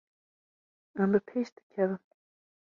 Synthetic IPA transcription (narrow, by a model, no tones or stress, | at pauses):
æmbɨpʰeːʃd̪̥ɨ̥kʲʰɛvɨm